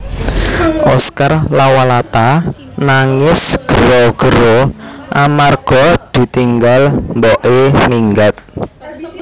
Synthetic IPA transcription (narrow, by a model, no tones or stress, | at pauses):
ʔɔskarlawalat̪a | naŋɪsɡ̥ə̤ɾɔɡ̥əɾɔʔamarɡ̥ɔd̪̥i̤t̪iŋɡalmbɔʔeniŋɡat̪̚